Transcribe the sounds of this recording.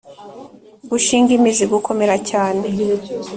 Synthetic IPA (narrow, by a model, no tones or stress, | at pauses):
ɡuʃiːŋɡimiziɡukʰo̞me̞ɾacaːne